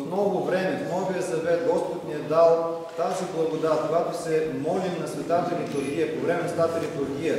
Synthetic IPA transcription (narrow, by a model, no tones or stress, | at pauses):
t̪mnɔɡʊvɾɛmɛfnɔvijəsɐvɛt̪ɡɔspot̪niɐd̪alˠ | t̪aziblˠɐɡod̪at̪koɡat̪osɛmɔlinɐsvɛt̪at̪ɐɾit̪ʊɾɡʲijɐpovɾɛmɛnsvɛt̪at̪ɐɾit̪ʊɾɡʲijɐ